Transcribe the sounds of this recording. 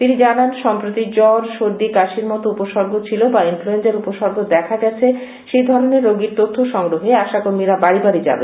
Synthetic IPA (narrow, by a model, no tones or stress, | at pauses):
t̪inid͡ʑananʃɔmpɾot̪id͡ʑɔɾʃoɾd̪ikaʃiɾmɔt̪oupoʃɔɾɡʱot͡ɕʰilobainfluensaɾupoʃɔɾɡʱod̪ɛkʰaɡɛt͡ɕʰe | ʃejd̪ʱɔɾoneɾːoɡiɾt̪ot̪ʰːoʃɔŋɡɾoɦeaʃakoɾmiɾabaɾibaɾid͡ʑa̰bḛ